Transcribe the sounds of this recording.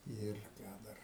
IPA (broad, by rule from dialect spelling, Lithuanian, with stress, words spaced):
ˈɪr ˈkɑː dɐr